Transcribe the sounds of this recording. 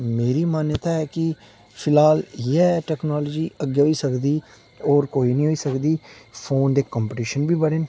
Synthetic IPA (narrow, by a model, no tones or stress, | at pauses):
meːɾiːmaːnjət̪aːɛːkɪ | pʰɪlaːljɛːʈɛːknaːloːd͡ʒiːəɡjoiːsəkd̪iː | ɔːɾkoːiːnĩːɦoːiːsəkd̪iːpʰoːnd̪eːkɔ̃ːmpəʈiːʃənbiːbəɽeːn